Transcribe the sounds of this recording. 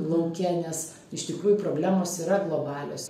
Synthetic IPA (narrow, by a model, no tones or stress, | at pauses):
lˠɐkʲæːnʲɛs | ɪʃt̪ʲɪkɾuːjʊpɾoːbʲlʲæːmoːsiːɾɐɡlˠoːbɑːlʲo̰ːs